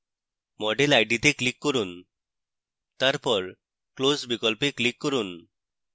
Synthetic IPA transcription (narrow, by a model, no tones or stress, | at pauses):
mɔɖelajɖit̪eklikːɔɾun | t̪aɾpɔɾ | klosbikɔlpeklikːɔɾun